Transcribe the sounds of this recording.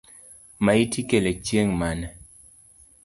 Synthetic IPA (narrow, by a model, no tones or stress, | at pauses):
maitikelet͡ʃjeŋmanɛ